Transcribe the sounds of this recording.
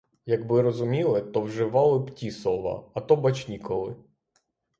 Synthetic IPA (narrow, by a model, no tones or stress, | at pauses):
jɐɡbɪɾɔzʊmʲilˠɪt̪ɔwʒɪʋɑlˠɪptʲisɔʋɐ̰ɐt̪ɔbɐt͡ʃnʲikɔlˠɪ